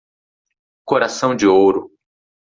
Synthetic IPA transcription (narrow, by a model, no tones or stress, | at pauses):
koɾasɐ̃w̃d͡ʒɪowɾʊ